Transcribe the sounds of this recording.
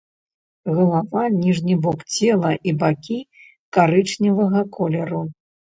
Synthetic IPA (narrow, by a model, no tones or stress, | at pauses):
ɣɐlˠavanʲiʐnʲibɔkt͡sʲɛlˠɐʔibakʲi | kaɾɨt͡ʂnʲivɐɣɐkʰɔlʲɐɾu